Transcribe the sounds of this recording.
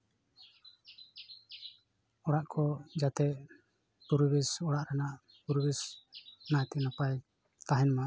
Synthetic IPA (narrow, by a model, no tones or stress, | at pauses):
ɔɽaʔkʰɔd͡ʒat̪ɛʔ | puɾbisɔɽaʔɾanaʔ | puɾbisnajt̪ɛnapaj | t̪aɦɛnma